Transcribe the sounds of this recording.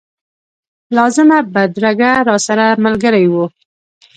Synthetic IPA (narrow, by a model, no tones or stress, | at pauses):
lɑzɪmabad̪ɾaɡaɾɑsaɾamalɡəɾajwu